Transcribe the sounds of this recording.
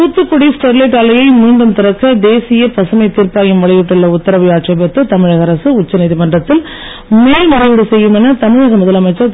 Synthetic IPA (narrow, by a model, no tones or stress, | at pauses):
uːt̪ːɯkːɔɽisʈɛɾleːʈaːlɐjɐɪmiːɳɖɯmt̪ɪɾɐkːɐd̪eːsɪjɐpɐsɐmɐɪt̪ːiːɾpaːɣɪmʋɐɭɪʋɪʈːɯɭːɐʊt̪ːɐɾɐʋɪaːʈrɐpɐt̪ːɯt̪ɐmɪɻɐɣɐɾɐsɯʊt͡ʃːɐnɐɪðimɐndrɐt̪ːɪl | meːlmɐɾɐʋɪɽɯsɛjːɯmɛnɐt̪ɐmɪɻɐɣɐmʊðɐlɐmɐɪt͡ʃːɐ